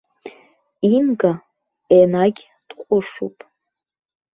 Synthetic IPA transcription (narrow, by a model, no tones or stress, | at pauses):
inɡa | enaɡʲ | d̥qʷʼʊʂṵpʼ